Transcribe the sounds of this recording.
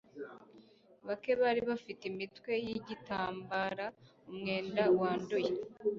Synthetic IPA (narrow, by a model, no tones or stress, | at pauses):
βake̞βaːɾiβafitimitwe̞jiɟitaːmbaɾa | umŋe̞ːndawaːndoje